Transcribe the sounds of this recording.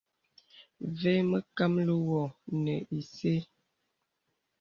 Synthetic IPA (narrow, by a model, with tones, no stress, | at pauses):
ve˦mə˦ka˦mlə˦wɔ˨nə˨ʔi˨se˦